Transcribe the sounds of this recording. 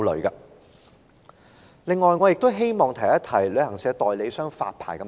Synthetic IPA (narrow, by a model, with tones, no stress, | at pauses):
lɵ˨˩ɥkaː˧ | lɪ˨ŋːɔː˨jŋɔː˨˧jɪ˨k̚t̪o˥wɦe˥jmɔː˨˩ŋt̪ʰɐ˨˩jɐ˥t̪ʰɐ˨˩jlɵ˨˧ɥhɐ˨˩ŋsɛː˨˧˥t̪ɔː˨jle˨˧jsœː˥ŋfa̰ː˧t̚pʰa̰ː˨˩jkɐ˨˧m